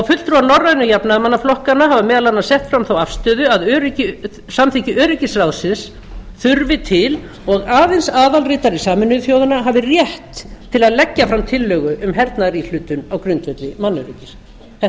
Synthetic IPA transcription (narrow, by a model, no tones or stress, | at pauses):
awfʏtlt̪ɾuanɔrːaðnʏjapnaðmanːaflɔhkanaɦavamɛːðalanːasɛht̪fɾamθawafst̪œːðʏaðœːɾʏcɪ | samθicɪʔœːɾɪcɪsrawðsɪns | θʏɾvɪt̪ʰɪl | ɔɣaːðɪnsaːðalrɪːt̪aɾisaːmʏnːʏðθjoːwðʏnaɦavɪrjɛht̪ʰːɪlaðlɛcːafɾamt̪ʰɪlːœːɣʏʔʏmɦɛɾt̪naɾil̥ʏːt̪ʏnawkɾʏnt̪vɛt̪lɪmanːʏɾɪcɪs | ɛ